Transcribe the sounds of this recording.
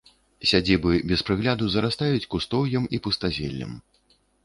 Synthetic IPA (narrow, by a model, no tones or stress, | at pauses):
sʲad͡zʲibɨbʲɛspɾɨɣlʲad̪uzɐɾast̪ajut͡sʲkust̪ɔwjɐmipust̪azʲɛ̰lʲːɐ̰m